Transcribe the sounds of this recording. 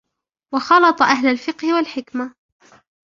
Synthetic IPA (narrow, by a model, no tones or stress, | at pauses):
wɑxɑlɑt̪ˤɑʔaɦlalfɪqhɪwalħɪkma